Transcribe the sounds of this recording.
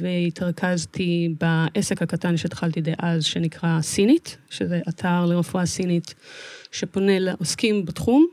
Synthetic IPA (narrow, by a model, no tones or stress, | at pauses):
veitʰaʁkʰaztibaʔesekhakatanʃed̪χaltideʔazʃenikʁasinitʃezeʔatʰaʁleʁefuasinitʃe̞po̞nelaʔoskimbatχum